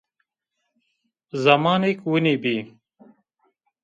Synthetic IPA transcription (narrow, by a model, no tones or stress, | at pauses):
zɐmɑːnekwunibiː